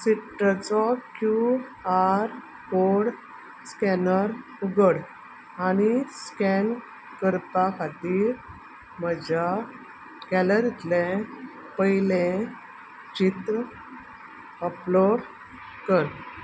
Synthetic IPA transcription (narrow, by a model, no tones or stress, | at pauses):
siʈət͡sɔkjuaɾ | koɽ | skɛnəɾ | uɡəɽ | añiskɛn | kəɾpakʰat̪iːɾ | məd͡ʑa | kɛləɾit̪lẽ | pəɦjilẽ | t͡ɕit̪ɾə | əplɔɾ | kəɾ